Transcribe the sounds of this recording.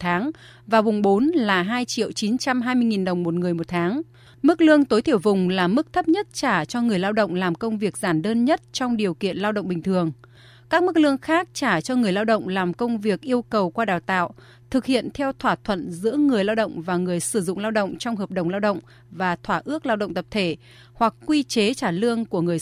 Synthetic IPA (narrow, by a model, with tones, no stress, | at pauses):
t̪ʰaː˨˦ŋ | vaː˨˩wɓʊ˨˩ŋ͡mɓo˨˦nlaː˨˩ɦaː˧jt͡ɕḭ˧˨əwt͡ɕi˨˦nt͡ɕa˧mɦaː˧jmɨ˧əjŋi˨˩nɗə˨˩wŋ͡mmo˨˩t̚ŋɨ˨˩əjmo˨˩t̚t̪ʰaː˨˦ŋ | m˦˥k̚lɨ˧əŋt̪o˨˦jt̪ʰi˧˩əwvʊ˨˩ŋ͡mlaː˨˩mɨ˦˥k̚t̪ʰə˦˥p̚ɲə˦˥t̚t͡ɕaː˧˩t͡ɕɔ˧ŋɨ˨˩əjlaː˧wɗə̰˧˨wŋ͡mlaː˨˩mkə˧wŋ͡mvi˨˩ək̚zaː˧˩nɗəː˧nɲə˦˥t̚t͡ɕɔ˧wŋ͡mɗi˨˩əwkḭ˧˨ənlaː˧wɗə̰˧˨ŋ͡mɓï˨˩ŋ̟t̪ʰɨ˨˩əŋ | kaː˦˥k̚mɨ˦˥k̚lɨ˧əŋxaː˦˥k̚t͡ɕaː˧˩t͡ɕɔ˧ŋɨ˨˩əjlaː˧wɗə̰˧˨wŋ͡mlaː˨˩mkə˧wŋ͡mvi˨˩ək̚ʔi˧əwkə˨˩wkwaː˧ɗaː˨˩wt̪a̰ː˧˨w | t̪ʰɨ˨˩k̚hḭ˧˨ənt̪ʰɛ˧wt̪ʰwaː˧˩t̪ʰwə̰˧˨nzɨ̰˧˥əŋɨ˨˩əjlaː˧wɗə̰˧˨wŋ͡mvaː˨˩ŋɨ˨˩əjsɨ˧˩zʊ̰˧˨ŋ͡mlaː˧wɗə̰˧˨wŋ͡mt͡ɕɔ˧wŋ͡mɦəː˨˩p̚ɗə˨˩wŋ͡mlaː˧wɗə̰˧˨wŋ͡m | vaː˨˩t̪ʰwaː˧˩ʔɨ˦˥ək̚laː˧wɗə̰˧˨ŋ͡mt̪ə˨˩p̚t̪ʰe˧˩ | hwa˨˩k̚ːwi˧t͡ɕe˨˦t͡ɕaː˧˩lɨ˧əŋku˧˩əŋɨ˨˩əj